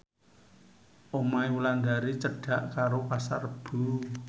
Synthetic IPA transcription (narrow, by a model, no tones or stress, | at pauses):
ʔomaiwulaŋd̪aɾit͡ʃəɖ̥a̤ʔkaɾopasa̰rəb̥ṳ